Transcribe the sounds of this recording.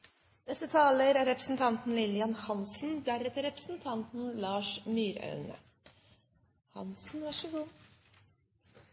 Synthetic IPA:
d̪ɛsət̪ʰɑːləɾæɾɛpɾəsn̩t̪ʰɑnt̪n̩lɪlɪɑnhɑnsn̩d̪æɾɛt̪əɾɛpɾə̥sn̩t̪ʰɑnt̪n̩lɑːʂmyːɾœ̰ʉnə̰ | hɑ̰nsn̩ʋɑʂəʋuː

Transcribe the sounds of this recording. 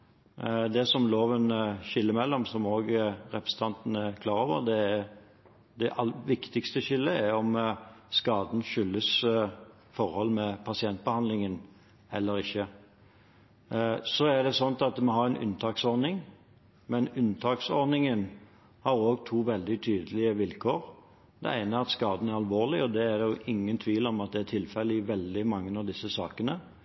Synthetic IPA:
d̪ɛsɔmloːʋənʃɪlːəmɛlːɔmsɔmoːɡɾɛpɾəsət̪ʰɑnt̪ənəɛkʰlɑːɾoːʋə̰ʁd̪ɛ | d̪ɛʔɑlːʋɪkt̪ɪkst̪əɕɪlːəɛɾɔmskɑːd̪n̩ʃʏlːəs | fɔɾhɔlːmɛpʰɑsɪɛnt̪̚bəhɑnd̪lɪŋən | hɛlːəɾɪçːə | sɔæɾd̪ɛsɔnt̪ɑt̪mɛɦɑɾæɪnʔʉ̰nt̪ʰɑːksɔɾnɪŋ | mɛnʉnt̪ʰɑːksɔɾnɪŋən | hɑɾoːɡt̪ʰuːʋɛld̪ɪt̪ʰyːd̪əlɪəʋɪlkʰoːɾ | d̪ɛ̰æɪnəɑt̪skɑːd̪n̩æɾɑlʋoːʁlɪɔd̪ɛæɾjʊʔɪŋːənt̪ʰʋiːlɔmɑt̪̚d̪ɛæt̪ʰɪlfɛlːəɪʋɛld̪ɪmɑŋːənɑʋd̪ɪsːəsɑːkənə

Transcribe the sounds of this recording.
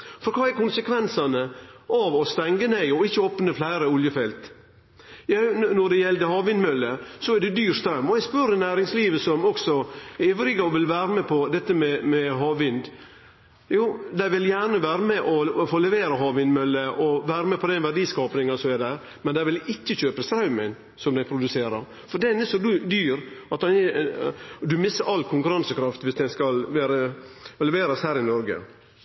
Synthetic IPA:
fɔɾkʰɑːæɾkʊnsəkʰʋɛnsɑnəʔɑʋɔst̪ɛŋɡəneɪɔɪçːəɔpnəflæɪɾəʊljəfɛlt̪ | jænɔɖɛjɛld̪əhɑːʋɪnmœlːəsɔæɖɛd̪yːɾst̪ɾɛmːɔæɪspœɾnæːɾɪŋsliːʋəsɔmɔksɔeːʋɾɪɡɑʋɪlʋæːɾəmɛpʰɔd̪ɛt̪ːəmɛmɛɦɑːʋʋɪnd̪ | juːd̪æɪʋɪljæːɾɳəʋæːɾəmɛʔɔfoːlɛʋeːɾəɦɑːʋɪnd̪mœlːəʔɔʋæːɾəmɛpʰɔd̪ɛnʋæɖiːskɑːpnɪŋɑsɔmɛd̪æ | mɛnd̪æɪʋɪlɪtːəçøːpəst̪ɾɑʉmən | sɔmd̪æɪpʰɾʊd̪ʉseːɾɑɾ | fɔɖ̪ɛnɛsɔd̪d̪yːɾɑt̪ɛn | d̪ʉmɪsəɾɑlkʰʊŋkʉɾɑnsəkʰɾɑft̪ʋɪsd̪ɛnskɑlʋæːɾəlɛʋeːɾɑshæːɾɪnɔɾɡə̰

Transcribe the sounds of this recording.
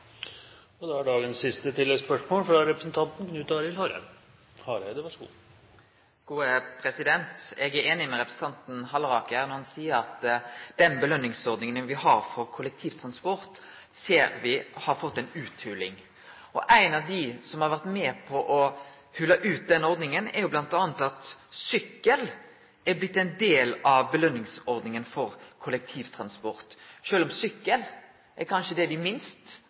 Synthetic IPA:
ɔd̪ɛæɖɑːɡənsːɪst̪ət̪ʰɪlːɛɡspœʂmoːlfɾɑɾɛpɾəsn̩t̪ʰɑnt̪n̩knʉːt̪ɑːɾɪlhɑːɾə̰ | hɑːɾəd̪ɛʋɑʂɡṵː | ɡ̥uːəpʰɾɛsɪd̪ɛnt̪ɛɡæɾeːnɪmɛɾɛpɾəsn̩t̪ɑnt̪n̩ɦɑlɾɑːkəæʁnɔɾhɑnsiːəɾɑt̪d̪̥ɛnbəlœnːɪŋsɔɾd̪nɪŋənənʋɪhɑɾfɔɾkʰʊlɛk̚t̪ʰiːʋt̪ʰɾɑnspɔɾt̪ | seːɾʋɪhɑɾfɔt̪ːɛɪnʉːt̪hʉlɪ̰ŋ | ɔʔæɪnɑʋd̪ɪsɔmhɑɾʋæʁt̪mɛːpʰɔʔɔ | hʉlːɑʔʉːt̪̚d̪ɛnːəɔɾd̪nɪŋənɛɾjʊblɑnt̪ɑːnət̪ɑt̪sʏkːəl | ɛɾblɪt̪ːɛɪnd̪eːlɑʋbəlœnːɪŋsɔɾd̪nɪŋənfɔɾkʰʊlɛk̚t̪ʰiːʋt̪ʰɾɑnspɔɾt̪ʃøːlɔmsʏkːəl | ʔɛɾkʰɑnʃəd̪ɛd̪ɪmɪnst̪

